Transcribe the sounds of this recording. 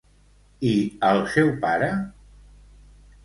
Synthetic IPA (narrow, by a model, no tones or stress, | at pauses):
iəlˠsɛwpaɾə